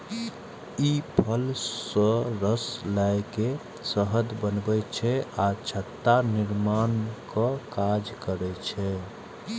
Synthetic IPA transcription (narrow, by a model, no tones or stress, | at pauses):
ipʰəlsə̃ɾəslajke | səɦəd̪bənbɛt͡ʃʰɛat͡ʃʰət̪ːaniɾmankəkad͡ʒkəɾɛt͡ʃʰɛ